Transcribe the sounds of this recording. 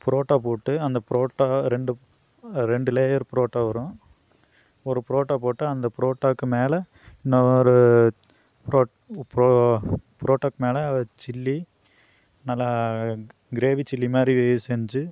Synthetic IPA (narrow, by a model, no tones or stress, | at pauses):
pɪɾoːʈːaːpoːʈːɯɐnd̪ɐpɪɾoːʈːaːɾɛɳɖɯ | ɾɛɳɖɯleːjɐɾpɾoːʈːaːʋɐɾʊ̃ | ɔɾɯpɪɾoːʈːaːpoːʈːɯɐnd̪ɐpɪɾoːʈːaːkːɯmeːlɛ | ɪnːɐɾɯ | pɾoː | pɾopɾoːʈːɐk̚ːmeːlɐt͡ʃɪlːi | nɐlːa | ɡɪɾeːʋit͡ʃɪlːimaːd̪ɾiʋesɛɲd͡ʒɯ